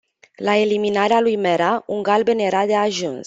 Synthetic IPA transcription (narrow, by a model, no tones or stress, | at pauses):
lae̞liminaɾealujmeɾauŋɡalbenjeɾad̪e̞aʒuns